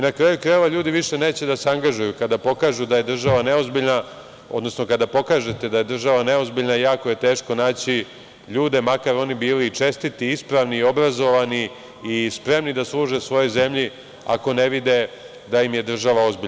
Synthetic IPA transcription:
inakɾaːjukɾajeʋaʎuːd̪iʋiʃe̞ne̞ːt͡ɕed̪aseaŋɡaʒujukad̪apo̞kaːʒud̪aje̞d̪r̩ʒaʋane̞o̞zbiʎna | od̪nosnokad̪apo̞kaːʒe̞t̪e̞d̪aje̞d̪r̩ʒaʋane̞o̞zbiʎnajaːko̞je̞t̪e̞ːʃko̞naːt͡ɕi | ʎuːd̪e̞makaɾo̞nibiːliːt͡ʃe̞st̪it̪iispɾaʋniio̞bɾazo̞ʋaniː | spɾe̞mnid̪aslˠuːʒe̞sʋo̞jo̞jze̞mʎi | a̰ko̞ne̞ʋid̪e̞ | d̪aimje̞d̪r̩ʒaʋao̞zbiʎ

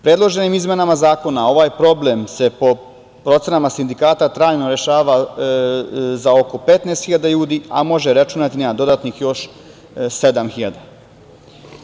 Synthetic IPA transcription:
pɾed̪lˠo̞ʒe̞nimizme̞namazaːko̞nao̞ʋaːjpɾo̞ble̞mse̞po̞ | pɾo̞t̪senamasind̪ikaːt̪at̪ɾaːjnoɾe̞ʃaːʋa | zao̞ko̞pe̞t̪neːst̪xiʎad̪aʎuːd̪ia̰mo̞ʒeɾat͡ʃunat̪ineːmad̪o̞d̪at̪nixjo̞ʃ | se̞d̪amxiʎad̪a

